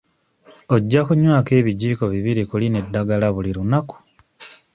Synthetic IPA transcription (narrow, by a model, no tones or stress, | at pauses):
oɟːakuɲwaːke̞ːβiɟiːko̞βiβiɾikuline̞dːaɡalaβuliɾunaku̥